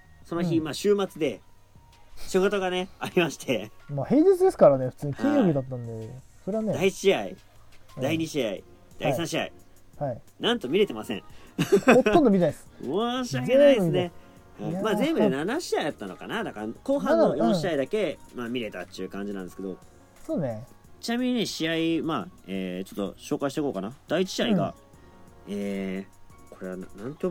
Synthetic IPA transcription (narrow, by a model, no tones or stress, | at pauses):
sono̞çimaːɕɨːmat͡sɨd̪e̞ | ɕoɡot̪oɡane̞aɾʲimaɕi̥t̪ʰe̞maːhe̞ːɲd͡ʑit͡sɨd̪e̞sɨ̥kaɾane̞ɸɯ̟̥t͡sɨːɲikʰʲĩɲjobʲid̪at̪ːãnd̪eso̞ɾe̞βane̞d̪aiɕiaḭ | aiɲ̟iɕiaḭ | d̪̥aiisãɕia̰i | hainãnt̪o̞mʲiɾe̞t̪e̞masḛ̃ | ot̪ːond̪omʲit̪aisɨ̥moɕiakenaid̪esiɨne | haimaːzẽ̞mbɯd̪e̞nanaɕiaid̪at̪ːano̞kanad̪akako̞ːɦãnojõɕiaid̪ake̞maːmʲiɾe̞t̪at̪ːiɯ̟kãɲ̟d͡ʑinãnd̪esɨ̥ked̪o̞ | one | t͡ɕinamʲiɲ̟ine̞ɕiaimaːeːt͡ɕo̞t̪ːo̞̰ɕo̞ːkaiɕi̥tekoːkanad̪̥ait͡ɕi̥ɕiaiɡa̰ | eː | ko̞ɾe̞βannãŋt̪ʲo